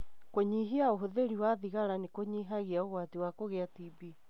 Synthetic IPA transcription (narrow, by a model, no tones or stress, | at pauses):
koɲiɦiaoɦoðeɾiwaðiɣaɾanekoɲiːɦaɣiaoɣwatiwakoɣɛatibi